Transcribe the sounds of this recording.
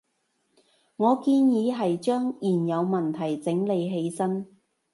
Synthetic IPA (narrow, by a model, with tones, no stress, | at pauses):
ŋɔː˨˧kiː˧njiː˨˧ɦɐ˨jt͡ʃœː˥ŋjiː˨˩njɐ˨˧wmɐ˨˩nt̪ʰɐ˨˩jt͡sɪ˨˥ŋle˨˧jɦe˨˧jsɐ˥n